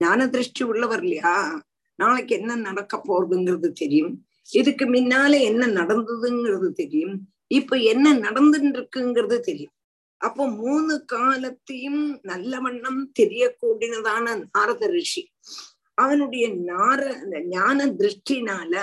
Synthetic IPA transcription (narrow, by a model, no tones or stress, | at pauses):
ɲaːnɐd̪ɾɯʂʈːiʊɭːɐʋɐɾlɐjaː | naːlɐkːɛnːɐnɐɽɐkːɐpːoːrɐðɯŋɡɪrɐðɯt̪ɛɾɪjɯm | ɪðɯkːɯmɪnːaːlɐɛnːɐnɐɽɐnd̪ɐðɯŋɡɪrɐðɯt̪ɛɾɪjɯm | ɪpːoːɛnːɐnɐɽɐnd̪ɯnɖɪɾɯkːɯŋɡɪrɐðɯt̪ɛɾɪjɯm | ʔɐpːoːmuːnɯkaːlɐt̪ːɐjɯmnɐlːɐʋɐɳːɐmt̪ɛɾɪjɐkːuːɽɪnɐðaːnɐnaːɾɐðɐɾɪʂi | ɐʋɐnɯɽɐjɐɲaːɾɐɲaːnɐd̪ɾɨʂʈːinaːlɐ